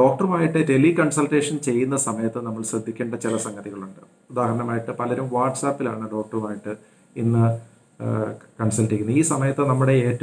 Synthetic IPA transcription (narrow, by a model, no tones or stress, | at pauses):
ɖo̞ːk̚ʈɐrumaːjiʈːɨde̞likɐɳsɐlʈe̞ːʂɐnt͡ɕe̞jːun̪ːɐsɐmɐjɐt̪ːɨnɐmːɐɭsrɐd̪ʱːikʲːeːɳɖɐt͡ɕilɐsɐŋɡɐðiɣɐɭuɳɖɨ | ud̪aːhɐɾɐɳɐmaːjiʈːɨpɐlɐɾumʋaːʈsaːpːilaːɳɨɖo̞ːk̚ʈɐrumaːjiʈːɨ | inːɨ | kɐɳsɐlʈːikʲːunːuiːsɐmɐjɐt̪ːɨnɐmːuɽe̞eːtːɐ